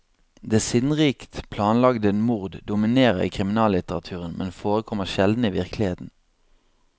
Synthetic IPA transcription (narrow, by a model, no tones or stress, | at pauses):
d̪eːsɪnʁiːkt̪pʰlɑːnlɑɡd̪əenmuʁd̪d̪ʊmɪneːʁəʁḭːkʰʁɪmɪnɑːlɪt̪əʁɑ̰t̪ʰʉːʁənmɛ̰nfoːʁəkʰɔməʁʃɛld̪n̩iːʋɪʁkʰlɪheːt̪n̩